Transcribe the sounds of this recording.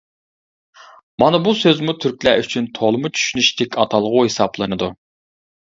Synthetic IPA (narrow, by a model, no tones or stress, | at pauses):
mɑnɨbusøzmut̪ʰyɾkʲlæyt͡ʃʰynt̪ʰolˠmʊt͡ʃʰy̥ʃynyʃt̪ʰɛkʲɑt̪ʰɑlˠʁʊhesɑplˠɨnɨd̪u